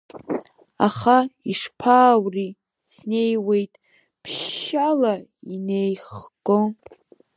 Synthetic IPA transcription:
a̰χaiʂpʰaːwri | sne̞jwe̞jtʼ | pʰʃalaine̞jχɡʼo

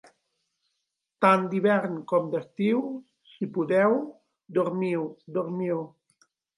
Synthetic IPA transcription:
t̪and̪iβɛɾnkɔmd̪ast̪iw | sipuðɛw | d̪uɾmiwd̪uɾmiw

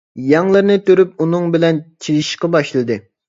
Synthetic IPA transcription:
jɑŋlˠɨɾnɨt̪ʰøɾyp̚unɨŋbɪlɛnt͡ʃʰilˠiʃqɑbɑʃlˠɨd̪ɨ

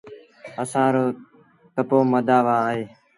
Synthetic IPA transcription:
əsãːɾoː | t̪əpoːməd̪aːʋãːɦeː

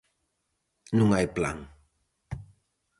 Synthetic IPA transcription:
nʊŋajpla̰ŋ

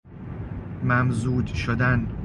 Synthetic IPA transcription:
mæmzuːd̪ʃod̪ænb

